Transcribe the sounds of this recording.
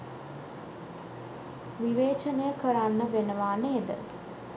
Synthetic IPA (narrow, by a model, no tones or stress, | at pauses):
ʋiʋeːt͡ʃənəjəkəɾanːəʋenəʋaːneːd̪ə̰